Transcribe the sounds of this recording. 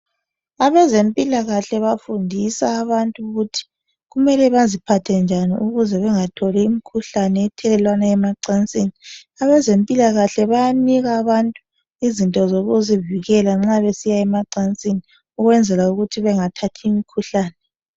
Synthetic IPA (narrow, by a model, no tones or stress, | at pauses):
aβɛzempʼilaɣaɬɛβafundʱisaːβantʼuɣutʰi̥ | ɣumɛlɛβazipʰatʰɛnd͡ʒʱanḭʔuɣuzɛβɛŋatʰɔlɛimikʰuɬanɛːtʰɛlɛlwanaɛmaǀant͡sʼini | aβɛzempʼilaɣaɬɛβajaniɣaːβantʼu | izintʼɔzoɣuziviɣɛlaŋ͡ǁaβesijaɛmaǀant͡sʼini | uɣwɛnd͡zʱɛlauɣutʰiβɛŋatʰatʰiːmikʰuɬaːnɛ